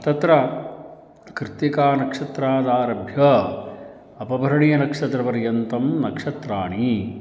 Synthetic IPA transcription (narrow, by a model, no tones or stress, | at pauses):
t̪ɐt̪ɾɐ | kɾɨt̪jikaːnɐkʂɐt̪ɾaːd̪aːɾɐbʱjɐ | ɐpɐbʱɐɾɐɳijɐnɐkʂɐt̪ɾɐpɐɾjɐnt̪ɐmnɐkʂɐt̪ɾaːɳi